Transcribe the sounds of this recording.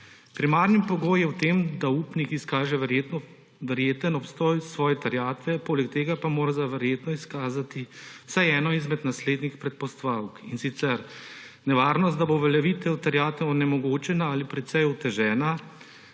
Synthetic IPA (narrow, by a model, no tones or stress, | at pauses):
pɾimaːɾnipɔɡoːjjɛwt̪eːmd̪aupnikiskaːʒɛʋɛɾjet̪nɔ | ʋɛɾjeːt̪ənɔpst̪ɔːjsʋɔːjɛt̪aɾjaːt̪ʋɛpoːlɛkt̪eːɡapamoːɾazaʋɛɾjeːt̪nɔiskaːzat̪iwsajɛːnɔizmɛd̪nasleːd̪nixpɾɛt̪̚pɔst̪ʋawkinsit̪sɛɾ | nɛʋaːɾnɔst̪d̪aboʋɛlɛʋit̪ɛwt̪aɾjaːt̪ɛwnɛmɔɡoːt͡ʃɛnaalipɾɛt̪sɛjut̪ɛʒɛːna